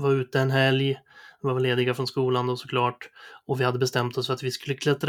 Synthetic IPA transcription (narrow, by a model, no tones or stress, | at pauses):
vaɾʉ̟ːt̪əɛnɦɛljvaɾvleːd̪ɪɡafɾɔnskuːland̪ɔsɔ̥kʰlɑːʈɔvɪhad̪ːəbɛst̪ɛmt̪ɔsfœɾat̪vɪskɵlːəkʰlɛt̪ːɾ